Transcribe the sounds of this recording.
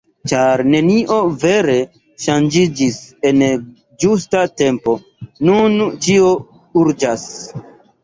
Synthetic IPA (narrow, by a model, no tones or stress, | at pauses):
t͡ʃaɾne̞niʔo̞ve̞ɾe̞ | ʃand͡ʒid͡ʒise̞n | d͡ʒustate̞mpo̞ | nunt͡ʃio̞ | uɾd͡ʒas